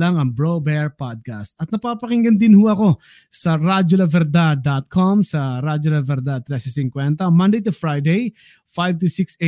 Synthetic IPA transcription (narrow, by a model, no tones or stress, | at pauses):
ɐŋɐŋbɹobɛɹpad̪̚kɐst̪ɐt̪̚nɐpapɐkɪŋɡɐnd̪ɪnhʊɐko̞ | sɐɾad͡ʒolɐvɛɾd̪ad̪at̪̚kʰomsɐɾad͡ʒolɐvɛɾd̪at̪ɾɛsɪsɪŋkwɛnt̪ɐmɐ̃nd̪ejt̪̬ʊfɹajd̪ej | fajv̚t̪usikse